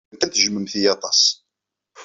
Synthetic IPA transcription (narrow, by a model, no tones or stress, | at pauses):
nt̪æθəʒməmθijɑt̪ˤɑs